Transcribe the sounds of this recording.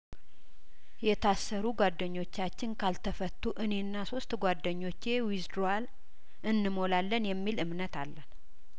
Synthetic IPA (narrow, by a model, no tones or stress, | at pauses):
jɛt̪ʰasːəɾuɡwad̪ːəɲːo̞t͡ʃːat͡ʃːɪnkʰalt̪ʰəfət̪ːuʔɨne̞nːaso̞st̪ɡʷad̪ːəɲːo̞t͡ʃːe̞wizd̪ɾal | ʔɨnːɨmo̞lalːənjɛmːilɨmnət̪alːən